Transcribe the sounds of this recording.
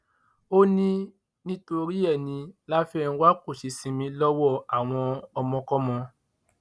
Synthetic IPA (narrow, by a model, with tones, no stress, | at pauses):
o˦nĩ˦ | nĩ˦to˧ɾi˦ɛ˦˨nĩ˧la˦fɛ˦˨ñ̩˧˦wa˦ko˦˨ʃi˧sĩ˧mĩ˧lɔ˦wɔ˦˨a˨w̃ɔ̃˧ɔ˧mɔ̃˧kɔ˦mɔ̃˧